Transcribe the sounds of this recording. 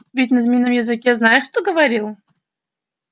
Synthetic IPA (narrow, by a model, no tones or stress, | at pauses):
vʲitʲnɐzmʲinːəmjɪzɨkʲeznajɪʂt̪oɡəvaɾʲilˠ